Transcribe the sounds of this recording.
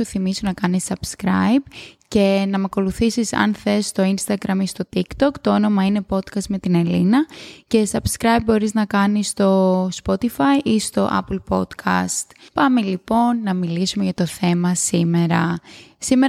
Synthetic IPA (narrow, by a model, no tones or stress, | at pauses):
uθimisonɐkɐnisɐbskɾɐ̰jbce̞nɐmɐko̞luθisisɐ̰nθe̞st̪o̞inst̪ɐɡɾɐmist̪o̞t̪ikt̪o̞kt̪o̞ono̞mɐine̞po̞t̪kɐst̪me̞t̪ine̞linɐce̞sɐbskɾɐjbbo̞ɾiznɐkɐnist̪o̞spo̞t̪ifɐiʔist̪o̞̰ʔɐ̰plpo̞t̪kʰɐ̰st̪pɐmelipo̞nːɐmilisumeʝɐt̪o̞θe̞mɐsime̞ɾɐsime